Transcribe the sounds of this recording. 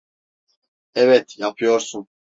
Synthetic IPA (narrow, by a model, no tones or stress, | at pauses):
ɛvɛt̪ʰjapʰɯjoɾsun